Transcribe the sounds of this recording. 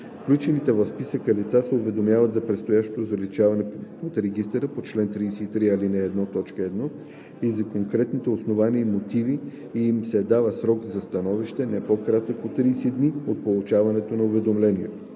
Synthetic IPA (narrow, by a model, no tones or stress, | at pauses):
fklʲut͡ʃɛnit̪ɛvɐfspisəkəlit̪sasɛʊvɛd̪omjavət̪zɐpɾɛt̪st̪ojaʃt̪o̥t̪ozɐlit͡ʃavɐnɛot̪ɾɛɡist̪ɛɾəpot͡ʃlɛnt̪ɾiːsɛit̪ɾialinɛːd̪nɔt̪ɔt͡ʃkəɛd̪nɔ | izɐkoŋkɾɛt̪nit̪ɛosnovaniəimot̪ivi | msɛd̪avəsɾɔkzɐst̪ɐnɔviʃt̪ɛnɛpokɾat̪əkot̪ːɾiːsɛd̪niot̪̚polˠut͡ʃavɐnɛt̪onɐʊvɛd̪omlɛniɛ